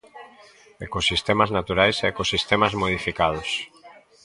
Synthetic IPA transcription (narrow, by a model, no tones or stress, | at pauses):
ekosist̪emaznat̪uɾajseekosist̪emazmoð̞ifikað̞os